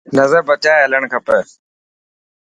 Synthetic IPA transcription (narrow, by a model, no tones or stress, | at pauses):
nəzəɾbət͡ʃaːeɦələɳ̃kʰəpə